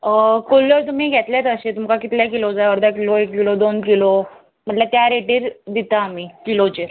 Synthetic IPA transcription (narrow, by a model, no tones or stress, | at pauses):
kolːəɾt̪̬um̤iɡʱet̪ljat̪əɕet̪umkakit̪ljakilod͡zajəɾd̪ʱakiloekːilod̪onkilo | m̤əʈlət̪jaɾeʈiːɾd̪it̪aːm̤ikilot͡ɕeɾ